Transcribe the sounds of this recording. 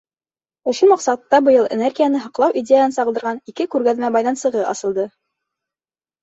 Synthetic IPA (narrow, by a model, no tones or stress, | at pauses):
ŏʃumɑqsɑt̪ːɑbɤ̆jɤlˠḛnerɡʲijanɤɦɑqlˠɑwʔidʲejaɑnsɑʁɤld̪ɤɾʁɑnikɘkʉɾɡæðmæbɑjðɑnsɤ̆ʁɤʔɑ̰sɤ̆lˠd̪ɤ